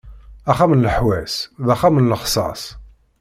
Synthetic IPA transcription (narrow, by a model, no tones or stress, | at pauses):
æχæmənləħwæsðæχamənləχsˤɑ̰sˤ